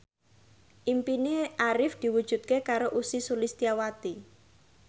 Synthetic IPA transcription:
ʔimpineʔaɾɪfd̪̥i̤wud̥ʒ̥ṳt̪̚kekaɾoʔusisulist̪iawat̪i

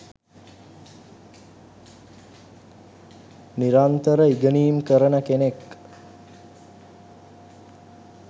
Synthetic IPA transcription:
niɾant̪əɾəiɡəniːmkəɾənəkenek

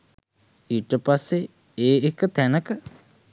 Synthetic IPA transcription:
iʈəpasːe | eːekət̪ænəkə

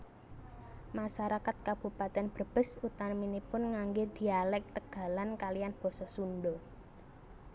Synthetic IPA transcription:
maʃaɾakat̪̚kab̥ṳpat̪ɛnb̥ə̤b̥ə̤sut̪aminipʊnŋaŋɡed̪̥i̤alɛk̚t̪əɡ̥a̤lankalijanb̥ɔ̤sɔsunɖɔ

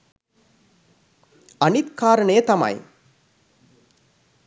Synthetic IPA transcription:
ɐnit̪kaːɾɐɳeːt̪ɐma̰j

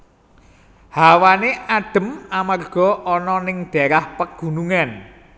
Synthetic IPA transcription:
hawaneʔaɖ̥ə̤mamarɡ̥ɔ̤ʔɔnɔnɪŋd̪̥e̤ɾahpəɡ̥ṳnuŋan

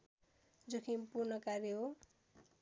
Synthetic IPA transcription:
d͡zʌkʰinpurnʌkaɾiɦo

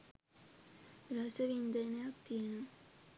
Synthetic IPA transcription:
ɾɐsəʋind̪əjnəjakt̪ijənu

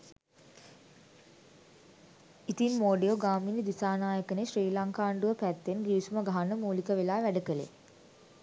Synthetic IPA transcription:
it̪inmoːɖejoɡaːminid̪isaːnaːjəkənesriːlaŋkaːɳɖuʋəpæt̪ːenɡiʋisuməɡaɦanəmuːlikəʋelaːʋæɖəkəlḛ

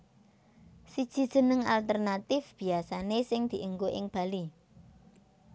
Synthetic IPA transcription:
sid̥ʒ̥i̤d̥ʒ̥ə̤nəŋa̰lt̪ərnat̪ɪfb̥i̤asanesɪŋd̪̥i̤ʔəŋɡoʔɪŋb̥a̤li

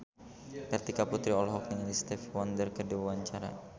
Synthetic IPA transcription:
t̪ərt̪ikaput̪ɾiɔlɦɔk̚dəŋanist̪ɛfwɔndərkərduawaɲt͡ʃaɾa̰

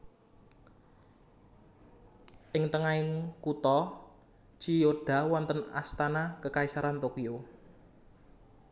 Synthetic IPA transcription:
ʔɪŋt̪əŋaɪnkut̪ɔ | t͡ʃijoɖ̥ä̤wɔnt̪əna̰st̪anakəkaisaɾant̪okio

